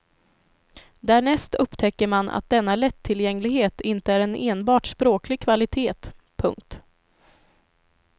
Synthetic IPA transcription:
d̪æːɳɛst̪ɵpːt̪ʰɛkːəɾmanʔa̰t̪̚d̪ɛnːalɛt̪ʰːɪljɛŋːlɪɡheːt̪ɪnt̪əæːɾɛneːnbɑːʈspɾoːklɪɡ̚kʰvalɪt̪ʰeːt̪ | pʰɵ̰ŋk̚t̪

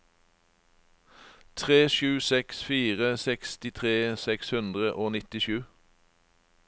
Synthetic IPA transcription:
t̪ʰʁeːʃʉːsɛksfiːʁəsɛkst̪ɪt̪ʰʁeːsɛkshʉnd̪ʁəʔoːnɪt̪ɪʃʉː

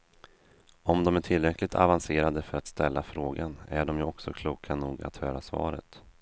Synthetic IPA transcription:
ɔmd̪ɔmæʈʰɪlːɾɛklɪt̪ʰa̰vanseːɾad̪əfœɾat̪st̪ɛlːafɾoːɡanæɖɔmjɵɔksɔkʰluːkʰanuːɡa̰t̪høːɾasvɑ̰ːɾə̰t̪

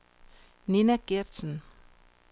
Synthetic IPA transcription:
ninæɡ̥ed̥sn̩

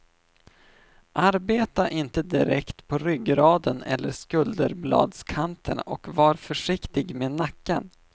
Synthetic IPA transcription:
ʔaɾbeːt̪aʔɪnt̪əd̪ɪɾɛkt̪pʰɔɾʏɡɾɑːd̪ənɛ̰lːəʂkɵld̪əɾblɑ̰ːd̪skʰant̪ʰənɔkvɑːɾfœʂɪkt̪ɪɡmeːnakːan

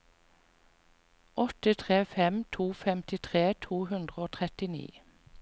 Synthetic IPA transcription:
ɔt̪ət̪ʰʁeːfɛmt̪ʰuːfɛmt̪ɪt̪ʰʁeːt̪ʰuːhʉnd̪ʁəoːt̪ʰʁɛt̪ɪnḭː

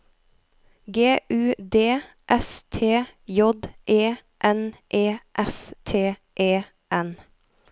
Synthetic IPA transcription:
ɡeːʔʉːd̪eː | ʔɛst̪ʰeːjɔd̪ʔeː | ʔɛnʔeːʔɛst̪ʰeː | ʔeː | ʔɛn

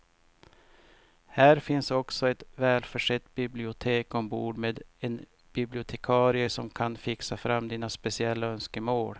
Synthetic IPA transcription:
hæːɾfɪnsɔksɔɛt̪vɛːlfœʂɛt̪ːbɪblɪʊt̪ʰeːkɔmbuːɖmeːd̪ɛn | b̥ɪblɪʊt̪ʰɛkʰɑːɾɪəʂɔmkʰanfɪksafɾamːd̪iːnaspɛsɪɛlːaœnskəmoːɽ

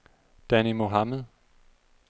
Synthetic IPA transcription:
d̥ænimo̝ɦɑməðˠ

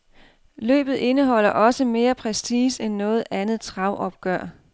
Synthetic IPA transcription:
lø̰ːb̥ð̞̩ˠe̝nəɦɒ̽l̰ɐʔɒ̽səme̝ːɐpʰʁɛsiːsenːɔ̽ːð̞̩ˠænð̩ˠt͡sʰʁɑ̈ʊʔɒ̽b̥̚ɡ̥ɶɐ̰

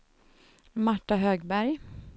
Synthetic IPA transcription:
maʈːaɦøːɡbæɾj

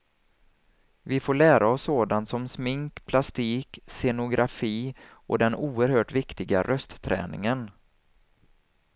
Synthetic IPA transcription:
vɪfoːɭæːɾʔaɔsːoːd̪ant̪sɔmsmɪŋkpʰlast̪iːksɛnʊɡɾʔafiː | ʔɔ̰d̪ɛnuːəɾhøːʈvɪkt̪ɪɡaɾʔœst̪t̪ʰːɾɛ̰ːnɪ̰ŋən

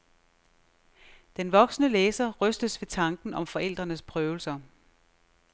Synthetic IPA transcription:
d̥enʋɒ̽ɡ̥snəleːsɐʁœsd̥əsʋe̝t͡sʰɑ̈ŋɡ̥n̩ɒ̽mfɒ̽ʔel̰d̥ʁɐnəspʰʁœːʊl̩sɐ

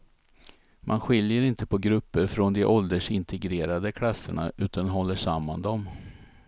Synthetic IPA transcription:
mʔanɧɪljəɾɪnt̪əpʰɔɡɾɵpːəɾfɾɔnd̪ɛʔɔld̪əʂɪnt̪ʰɛɡɾeːɾad̪əkʰlasːə̰ɳa̰ʔʉ̟ːt̪ʰanɦɔlːəʂamːand̪ɔm

